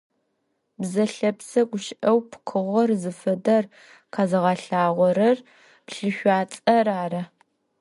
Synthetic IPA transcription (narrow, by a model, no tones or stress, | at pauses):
bzɐɬɐpsɐɡʷʊʃɪʔɐwpʰqʰɨʁʷɔrzɨfɐdɐr | qʰɑːzɨʁɑɬaːʁʷɔɾɐr | pɬɨʃʷaːt͡sʼɐɾaːɾɐ